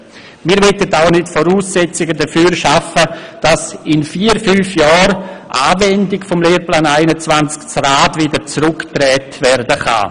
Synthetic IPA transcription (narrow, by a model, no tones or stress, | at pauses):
miːɾvɛtətaʊnɪtfɔɾuːsɛt͡sɪɡədəfyːɾʃafəd̥asɪnfiːəɾfyːfjɔːɾʔaːvɛndɪkfɔmleːɾplaːnaɪnət͡svant͡skt͡sraːtvɪdəɾt͡sɾʊktrɛːtvɛɾdəχa̰ː